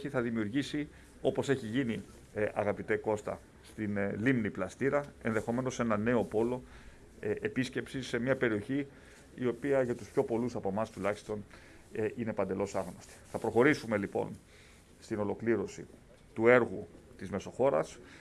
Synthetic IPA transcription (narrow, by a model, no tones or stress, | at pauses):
çiθɐðimiuɾʝisi | o̞po̞se̞çiʝini | ɐ̰ɣɐpit̪eko̞st̪ɐ̰ | st̪inlimniplɐst̪iɾɐe̞̰nðe̞xo̞me̞no̞se̞nɐne̞o̞po̞lo̞ | episce̞psise̞mɲɐpe̞ɾio̞çi | io̞piɐʝɐt̪uspço̞po̞lusɐpo̞mɐst̪ulɐçi̥st̪o̞n | ʔine̞pɐnd̪e̞lo̞sɐɣno̞st̪i̥θɐpɾo̞xo̞ɾisume̞lipo̞̰n | st̪ino̞lo̞kliɾo̞sḭ | t̪ue̞ɾɣu | t̪izme̞so̞xo̞ɾɐs